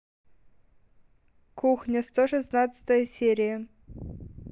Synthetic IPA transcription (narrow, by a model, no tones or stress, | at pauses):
kʰuxnʲəst̪oʂɨsnɑt̪t͡sə̥t̪əjəsʲeɾʲijə